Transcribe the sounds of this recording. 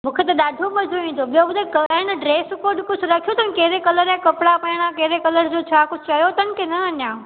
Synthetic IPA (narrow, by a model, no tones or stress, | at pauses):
mũːkʰet̪eɗ̪aːɖʱomɐ̃d͡ʒʱoĩːd̪oɓijõbʊd̪ʱekəñɖɾeːskoːɾɖkʊd͡ʒʰʱɾɐkʰijot̪ʰənkeːɾekɐləɾẽkɐpɽapɐːɽ̃ãkeːɾekɐləɾd͡ʑoːt͡ɕʰaːkʊd͡ʒʰʱt͡ʃɐjot̪ənkenɐɐnjãː